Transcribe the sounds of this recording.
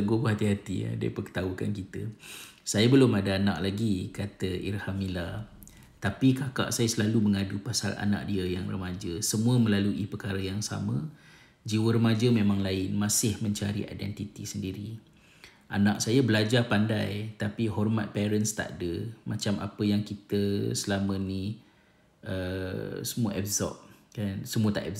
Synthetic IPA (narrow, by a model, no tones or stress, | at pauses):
əɡobəɦat̪iɦat̪ḭdḭpəkə̥t̪auka̰nkit̪ə | sajabəlʊmadaana̰ʔ̚laɡikat̪əḭrhamila | t̪apikaka̰ʔsajasəlaluməŋadupasa̰la̰na̰ʔ̚diəjaŋrəmad͡ʒəsəmũəməlaluʔipərkaɾəjaŋsa̰mə̃ | d͡ʒiwəɾəmad͡ʒəmẽmãŋlaɪnmãsɪhmə̃ɲt͡ʃaɾḭʔa̰jdɛ̰nt̪it̪isəndiɾi | ʔanak̚sajabəlad͡ʒarpandajt̪apiɦɔrmat̪̚pɛɾənst̪a̰ʔdəmat͡ʃamʔa̰pəjaŋkit̪əsəlamə̃ni | ʔəsəmuaʔɛfzɔ̰ʔ̚kansəmũət̪aʔɛb